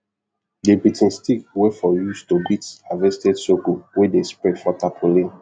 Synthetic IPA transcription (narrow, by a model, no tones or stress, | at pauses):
depitɛ̃nstikwɛfɔjustobitavɛstɛdsokowɛdespɹɛdfɔtapʰolĩn